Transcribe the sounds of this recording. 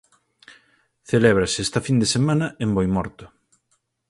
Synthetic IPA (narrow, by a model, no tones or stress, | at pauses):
θeleβ̞ɾaseɛst̪ɐfind̪esemanɐembojmɔɾt̪ʊ̥